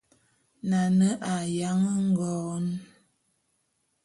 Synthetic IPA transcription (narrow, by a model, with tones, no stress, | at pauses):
na˨nə˦ʔa˨ja˨˦ŋə˦ŋ̩˦ɡɔː˦n˦